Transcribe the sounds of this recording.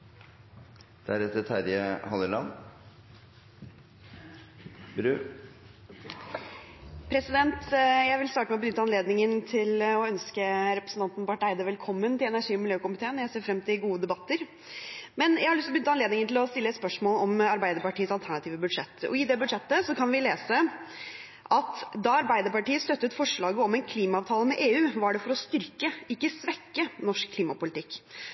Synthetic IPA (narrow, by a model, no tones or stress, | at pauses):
d̪̥æɾɛt̪ət̪ʰæɾjəhɑləlɑ̰n | bɾʉː | pʰɾɛsɪd̪ɛnt̪jæɪʋɪlst̪ɑːʈəmɛɔbənʏt̪ːəɑnleːd̪nɪŋənt̪ʰɪlɔœnskəɾɛpɾəsn̩t̪ɑnt̪npɑʈæɪd̪əʋɛlkʰɔmːənt̪ɪlɛnæʂiːɔmɪljøːkʊmɪt̪ʰeːnjæɪseːɾfɾɛmt̪ʰɪlɡuːəd̪ɛbɑt̪ːəɾ | mɛnjæɪhɑɾɭʏst̪bʏnt̪ːɑneːd̪nɪŋənt̪ʰɪlɔst̪ɪlːəɛt̪spœʂmoːlɔmɑɾbæɪd̪əɾpɑʈiːəsɑlt̪ʰæɳɑt̪ʰiːʋəbʉd̪ʂɛt̪ːɔ̰ɪd̪ɛbʉd̪ʂɛt̪ːəsɔkʰɑnʋɪleːsə | ʔɑt̪d̪ɑɑɾbæɪd̪əɾpɑʈiːəst̪œt̪ːʉːt̪fɔʂɭɑːɡəɔmɛɪnkʰliːmɑɑːʋt̪ʰɑːləmɛʔeːʉːʋɑɖɛfɔɾɔst̪ʏɾkəɪkːəsʋɛkːənɔʂkʰːliːmɑpʊlɪt̪ʰɪkː